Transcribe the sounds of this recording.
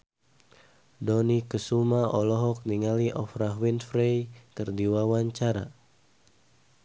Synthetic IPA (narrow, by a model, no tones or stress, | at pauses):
dɔnikəsumaɔlɔɦɔk̚niŋaliʔɔfraɦwinfɾejkərdiwawaɲt͡ʃaɾa̰